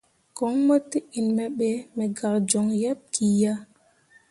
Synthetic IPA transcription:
kɔ˨˦ŋmo˦tːi˦i˨nmɛ˦ɓɛ˦mɛ˨ɡa˨ɾd͡ʒɔ˨ŋjɛ˦p̚kʰi˨ja˦

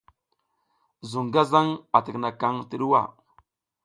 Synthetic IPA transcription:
zu˨ŋɡa˦za˦ŋa˨tə˨kna˨ka˦ŋtə˨ɗu˦wa˦˨

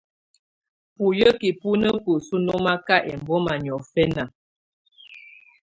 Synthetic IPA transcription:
pu˨jə˦ki˨pu˦nə˦ku˨su˦nɔ˦ma˦ka˦ʔɛ˨m˨bɔ˦ma˨ɲ˨ɔ˨fɛ˦na˨

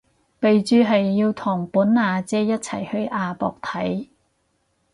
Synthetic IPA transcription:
pe˨jt͡ʃyː˨˧ɦɐ˨jːiː˧wt̪ʰʊ˨˩ŋpuː˨˥nnaː˧t͡sɛː˥jɐ˥t̚t͡sʰɐ̰˨˩jhɵ˧ɥʔaː˧pɔ̰ː˨k̚t̪ʰɐ˨˥j

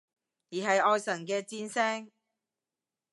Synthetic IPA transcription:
jiː˨˩ɦɐ˨jʔɔː˧jsɐ˨˩nkɛː˧t͡siː˥nsɛː˥ŋ

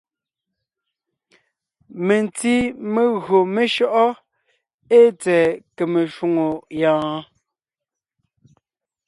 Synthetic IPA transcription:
me˨nti˦me˨ɣɰo˨me˨ʃɔ˦ʔɔ˦ | e˦t͡sɛː˨ke˨me˨ʃu˨ŋo˨jãː˦

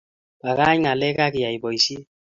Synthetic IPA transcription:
ba˨ka˦ɲ˦ŋa˨lɛ˦ka˦kɪ˨ja˨i˨bɔ˨i˨si˦

